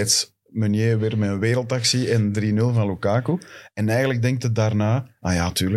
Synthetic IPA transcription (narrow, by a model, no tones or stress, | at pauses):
ts | mənjeːəʋɪːrmɛənweːɾəlˠtɑksiɛndrinɵlˠvɑ̃nlukaːkuɛnɛjɣənlək̚dɛŋktədaːrnaːajaːtyːrlə